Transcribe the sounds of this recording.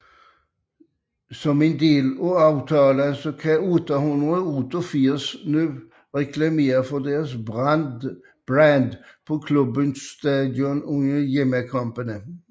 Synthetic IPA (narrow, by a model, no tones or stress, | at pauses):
sɔmend̪eːlɔɑʋt̪ʰɑːlənsɔkʰɛuːt̪ɑhʉnd̪ʁəuːt̪ɔfiːsnʉː | ʁɛkʰlɑmeːɾəfɔd̪eːʁəsbn | b̥ɾænd̪pʰɔkʰlʉbənst̪ɑːd̪jɔnʊŋəjɛməkʰɑmpənə